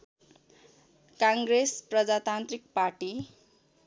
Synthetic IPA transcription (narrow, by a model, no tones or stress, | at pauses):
kãŋɡrɾesprʌd͡zat̪ant̪rik̚parʈi